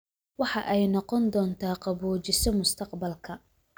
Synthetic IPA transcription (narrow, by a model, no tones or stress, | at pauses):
wɑħɑʔɛjnɔqɔnd̪ɔːnt̪ʰaːqɑβuːt͡ʃɪsɔmʊst̪ʰɐqbɐlkʰɐ